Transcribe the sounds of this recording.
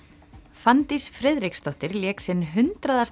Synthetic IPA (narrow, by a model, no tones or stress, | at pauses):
fant̪isfɾɛðɾikst̪ɔht̪ɪɾljɛːksɪnːɦʏnt̪ɾaðas